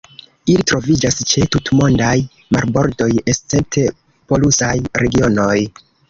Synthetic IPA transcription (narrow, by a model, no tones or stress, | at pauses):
ilitɾo̞vid͡ʒast͡ʃe̞tutmo̞ndaj | ma̰ɾbo̞ɾdo̞jest͡se̞mp̚tʰe̞ | po̞lusajɾe̞ɡio̞no̞j